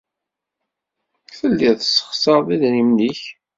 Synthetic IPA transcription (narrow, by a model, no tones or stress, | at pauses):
θəlːiθsːə̥χsəʁˤðiðnimliç